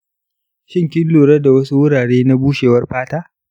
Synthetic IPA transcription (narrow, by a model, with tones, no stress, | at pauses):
ʃɪ˦˨ŋkʲɪ˦nlːoː˨ɽɐ˦da˨wɐ˦su˦wʊ˦ɽaː˨ɽeː˦na˦buː˦ʃeː˨wɐ˦rɸaː˦taː˦